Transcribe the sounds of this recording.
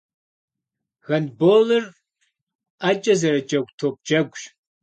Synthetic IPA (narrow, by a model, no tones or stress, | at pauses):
ɣɐnboːlɨr | aːt͡ʃʼɐzɐɾɐt͡ʃʼɐɡʷʼtʰoːp̚d͡ʒɐɡʷʼʒ